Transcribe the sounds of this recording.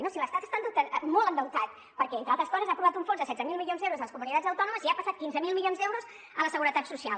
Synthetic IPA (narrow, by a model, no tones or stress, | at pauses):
inosiləst̪at̪əst̪and̪əwt̪əmolənd̪əwt̪at̪̚ | pəɾkɛent̪ɾalˠt̪ɾəskɔzəzapɾuβat̪uɱfonzðəsɛdd͡zəmilˠmilionzðewɾuzðələskumunit̪ad͡zəwt̪ɔnuməziapəsat̪̚kinzəmilˠmilonzd̪ewɾuz | ələsəɣuɾət̪at̪susialˠ